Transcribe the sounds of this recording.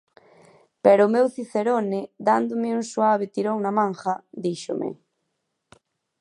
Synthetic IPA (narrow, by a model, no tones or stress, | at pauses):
pɛɾʊmɛwθiθeɾonɪd̪and̪ʊmɪuŋswaβɪt̪iɾoŋnamãŋxɐd̪iʃʊ̰mʔɪ̰